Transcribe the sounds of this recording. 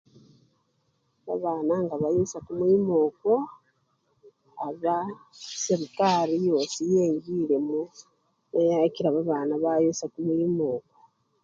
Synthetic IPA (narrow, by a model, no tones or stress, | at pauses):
βa̰βaːnaŋɡaβajusakumwimo̞ːko | aβjaseɾikaɾijo̞ːsijeːɲɡiːɾe̞mu | nejaciɾaβaβaːnaβajusakumwiːmo̞ːko